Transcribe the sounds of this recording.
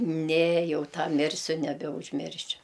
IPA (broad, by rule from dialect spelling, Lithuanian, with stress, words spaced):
nʲɛ ˈjɛʊ ˈtɑː ˈmʲɪrʲsʲʊ nʲɛbʲɛʊʒʲˈmʲɪrʲʃʲʊ